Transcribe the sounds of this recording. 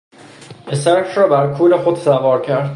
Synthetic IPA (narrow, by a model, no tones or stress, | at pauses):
esæɾkʰrɒːbæɾkʰuːlexod̪sævɒːɾcʰæɾd̪